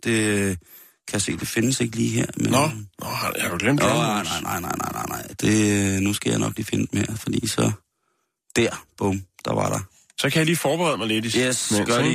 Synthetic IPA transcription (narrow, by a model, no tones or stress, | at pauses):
d̥e̝ | kʰæjase̝̰ːd̥e̝fe̝nəse̝ɡ̥əliːɦeɐ̰mennɔhɑhɑd̥uɡ̥lem̰d̥nɑɪ̰nɑ̈ɪnʔɑ̈ɪ̰nɑ̈ɪnɑ̈ɪ̰nɑ̈ɪnɑ̈ɪ̰d̥e̝nusɡ̥æjäɪnɒ̽ɡ̥lḭːfenəd̥emeɐ̰fɒd̥ḭːsɒ̽ | d̥æɐ̰b̥ɔmd̥ɑ̈ʋɑ̈ɾ̥ɑ̈ | sɒkʰæjɑliːfɒːb̥eʁɛð̞ˠmɑɪled̥ijesɡ̥ɶɐdi